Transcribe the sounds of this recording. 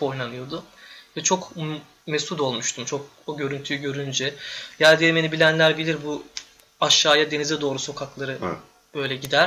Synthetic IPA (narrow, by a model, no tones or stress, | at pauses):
po̞jnanɯjo̞d̪ʊvɛt͡ʃʰo̞k | mɛsut̪o̞lˠmuʃt̪ʰumt͡ʃʰo̞k̚ | oɟø̞ɾynt̪ʰyjyɟø̞ɾynd͡ʒɛjæɾd̪ɛjeme̞nibilʲænlʲæɾbilʲiɾbu | aʃːaːjad̪e̞nizɛd̪o̞ːɾuso̞kʰaklˠaɾɯ | b̥ø̞jlʲɛɟid̪æɾ